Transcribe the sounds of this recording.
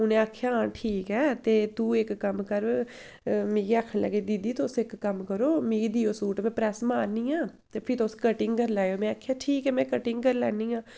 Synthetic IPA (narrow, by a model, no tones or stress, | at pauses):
ʊnẽːaːkʰːjaːʈʰiːkɛːt̪eːt̪uːɪkːəmkəɾ | meːɡiaːkʰənlə̰ɡeːd̪id̪iːt̪oʊsɪkːəmkəɾoːmĩːid̪iːoːsuːʈmɛ̃ːpɾɛːsmaːɾnĩːãːt̪eːpʰɪɾt̪oʊskəʈɪŋɡkəɾlaːjoːmɛ̃aːkʰjaːʈʰiːkɛːmɛ̃ːkəʈɪŋɡkəɾlɛːniːãː